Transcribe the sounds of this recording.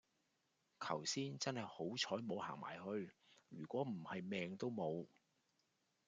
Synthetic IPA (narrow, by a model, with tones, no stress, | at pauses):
kʰɐ˨˩wsiː˥nt͡sɐ˥nhɐ˨jho˨˥wt͡ʃʰɔː˨˥jmo˨˧wha̰ː˨˩ŋma̰ː˨˩jhɵ˧ɥɥyː˨˩kʷɔː˨˥m̩˨˩hɐ˨jmɛː˨ŋt̪o˥wmo˨˧w